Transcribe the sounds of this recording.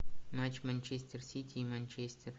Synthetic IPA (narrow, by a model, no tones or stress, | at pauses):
mat͡ʃmanʲt͡ʃʰesʲt̪ʲʰersitʲʰimanʲt͡ʃʰestʲʰer